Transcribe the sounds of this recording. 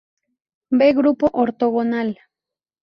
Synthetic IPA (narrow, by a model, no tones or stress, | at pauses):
beɡɾʊpoʔoɾt̪oɣonal